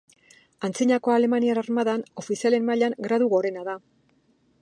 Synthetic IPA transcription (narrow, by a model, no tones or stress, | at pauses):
ant͡siɲako̞ale̞manianaɾmaðano̞fisiale̞nmaʎaŋɡɾaðuɣo̞ɾe̞naða